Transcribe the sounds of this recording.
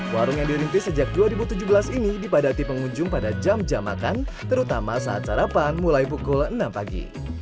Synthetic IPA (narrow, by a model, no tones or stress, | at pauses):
waɾʊŋjaŋdiɾint̪ɪsəd͡ʒak̚duaɾibut̪ud͡ʒubəlasinidipadat̪ipəŋuɲd͡ʒʊŋpadad͡ʒamd͡ʒama̰kant̪əɾut̪amasaa̰t̪̚t͡ʃaɾapanmulajp̬ukʊlənampaɡḭ